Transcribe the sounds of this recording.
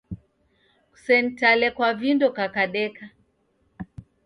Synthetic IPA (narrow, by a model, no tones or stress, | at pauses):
ku̥sɛntalɛkwavindɔkakaɗɛka